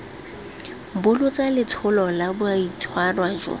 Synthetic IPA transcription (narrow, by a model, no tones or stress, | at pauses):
bʊlʊt͡sʼalɪt͡sʰʊlɔlabʊait͡sʰwarwaːd͡ʒɔ̰